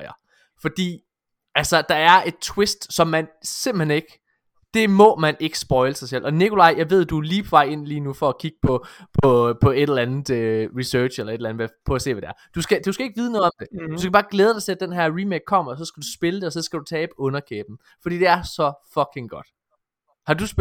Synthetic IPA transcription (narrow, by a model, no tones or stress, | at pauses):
ɐ | fɒ̽d̥ḭː | ælsɒd̥ɑ̈æɐʔe̝d̥̚t͡sʰwe̝sd̥sɒ̽mːænse̝m̰b̥l̩hene̝ɡ̥ə | d̥e̝mɒ̽mæne̝ɡ̥ə̥sb̥ɒ̽ɪləsɑ̈ɪsel̰ʔɒ̽nikʰo̝lɑ̈ɪ̰jɑ̈ɪʋe̝ð̞̰ˠd̥uliːpʰɒ̽ʋɑ̈ɪ̰e̝n̰liːnufɒ̽ækʰiɡ̥̚pʰɒ̽pʰɒ̽pʰɒ̽e̝d̥lænð̩ˠøʁisœ̥ːɕelɐed̥læn̩ˠʋæpʰɒ̽æse̝̰ːʋæde̝æɐd̥usɡ̥æd̥usɡ̥æe̝ɡ̥̚ʋiːðˠnɔ̽ːðˠɒ̽md̥e̝d̥usɡ̥æb̥ɑ̈ːɡ̥leːð̞ˠd̥ɑ̈ɪt͡sʰe̝æd̥enɦæɐʁimeɡ̥̚kʰɒ̽m̰ɐɒsɒ̽sɡ̥ædusb̥e̝ləd̥e̝ɒ̽sɒ̽sɡ̥æd̥ut͡sʰɛːb̥ɔ̽nɐkʰeːb̥n̩ | fɒ̽d̥ḭːd̥e̝æɐsɒ̽fɒ̽kʰe̝ŋɡ̥ɒ̽d̥ | hɑ̈dus